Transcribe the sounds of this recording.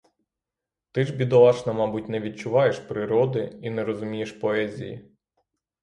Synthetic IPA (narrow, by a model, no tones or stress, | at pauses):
t̪ɪʒbʲid̪ɔlˠɑt͡ʃnɐmɑbut̚ʲnɛʋʲid̪̚t͡ʃʊʋɑjeʃpɾɪɾɔd̪ɪinɛɾɔzʊmʲijeʃpɔɛzʲḭjḭ